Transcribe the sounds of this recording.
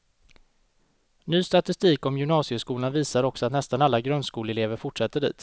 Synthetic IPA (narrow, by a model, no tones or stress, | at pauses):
nyːst̪at̪ɪst̪iːkɔmjɵmnɑːsɪəʂkuːlanviːsaɾɔksɔat̪nɛst̪analːaɡɾœnskuːlɛleːvəɾfʊʈʂɛt̪ːəɖḭːt̪